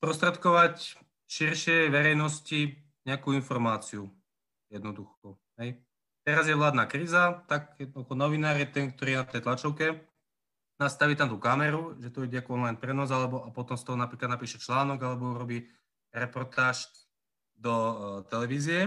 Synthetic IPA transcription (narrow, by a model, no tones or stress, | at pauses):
spɾɔst̪ɾɛt̪kɔʋac | ʃiɾʃɪɛjʋɛɾɛjnɔsci | ɲɛakuːinfɔɾmaːt͡siu | jɛd̪nɔd̪uxɔ | ɦɛj | t̪ɛɾazjɛʋlaːd̪naːkɾiːzat̪akjɛd̪nɔd̪uxɔnɔʋinaːɾjɛt̪ɛnk̚t̪ɔɾiːjɛnat̪ɛjt̪lat͡ʃɔʊkɛ | nast̪aʋiːt̪amt̪ukamɛɾuʒɛt̪uɔiɟɛakuɔnlajnpɾɛnaːzalɛbɔʔapɔt̪ɔmst̪ɔɦɔnapɾiklad̪napiːʃɛt͡ʃlaːnɔɡalɛbɔuɾɔbiː | ɾɛpɔɾt̪aːʃ | d̪ɔt̪ɛlɛʋiːzɪjɛ